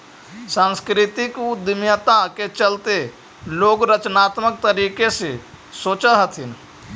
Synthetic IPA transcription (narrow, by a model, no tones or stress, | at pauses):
sãskɾɪt̪ɪkud̪əmjət̪aket͡ʃəlt̪e | loːɡɾət͡ʃnaːt̪mək̚t̪əɾiːkese | soːt͡ʃəɦət̪ʰɪn